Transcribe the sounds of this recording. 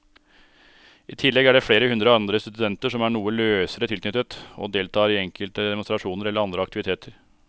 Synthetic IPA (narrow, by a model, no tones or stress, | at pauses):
iːt̪ʰɪlːɛɡæɖɛfɽeːɾəhʉnd̪ɾəɑnd̪ɾəst̪ʉd̪ɛnt̪əʂɔmæːɳuːəløːsəɾət̪ʰɪlknʏt̪ːət̪o̰ːd̪eːlt̪ʰɑːɾɪɛŋkʰəlt̪əd̪ɛmʊnst̪ɾɑʂuːnəɾɛlːəɾɑnd̪ɾəɑkt̪ɪʋɪt̪ʰeːt̪ʰəɾ